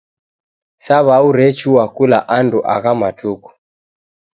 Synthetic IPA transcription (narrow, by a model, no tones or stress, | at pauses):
saβauɾɛt͡ʃuwakulaʔanduʔa̰ɣamatʰuku̥